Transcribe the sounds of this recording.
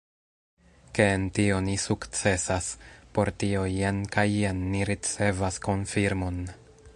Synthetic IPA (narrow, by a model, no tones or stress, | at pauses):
ke̞ːntio̞nisukt͡se̞saspo̞ɾtio̞jenkajːenːiɾit͡se̞vasko̞nfiɾmo̞n